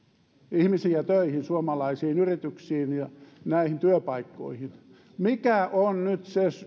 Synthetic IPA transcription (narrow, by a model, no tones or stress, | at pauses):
ihmisiæt̪øihinsuomɑlɑisiːnyrit̪yksiːnjɑnæihint̪yøpɑikːo̰ihin | mikæʔonnyt̪ses